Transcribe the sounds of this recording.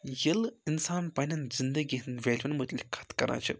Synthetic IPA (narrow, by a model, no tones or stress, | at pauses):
jɐlinsaːnpɐnʲɐnzind̪əɡʲiɦnʋʲelʲʋɐnmət̪lʲikʰɐ̥t̪kɐɾa̰ːt͡ʃʰɨ̰